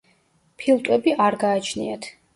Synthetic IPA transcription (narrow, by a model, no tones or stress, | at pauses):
pʰilˠt̪ʼwɛbiʔaɾɡaːt͡ʃʰnḭat̪ʰ